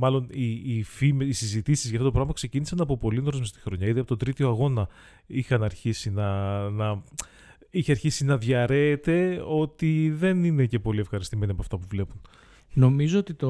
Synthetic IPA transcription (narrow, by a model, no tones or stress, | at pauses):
mɐlo̞niːfimisizit̪isizʝɐft̪ot̪pɾɐɣmɐmɐkse̞cinisɐnɐpo̞po̞linoɾozmest̪i̥xɾo̞ɲɐiðeɐpo̞t̪od̪ɾit̪io̞ɐɣo̞nɐ | ixɐnɐɾçisinɐnɐ | içeɐɾçisinɐðʝɐɾe̞ːt̪e̞o̞t̪iðe̞nine̞ce̞po̞liefxɐɾist̪ime̞niɐpoɐft̪ɐpuvle̞pun | no̞mizoot̪it̪o